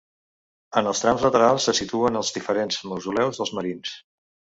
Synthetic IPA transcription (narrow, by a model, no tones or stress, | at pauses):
ənəlˠst̪ɾamzlət̪əɾalˠsːəsit̪uənəlˠzðifəɾenzməzulɛwzðəlˠzməɾins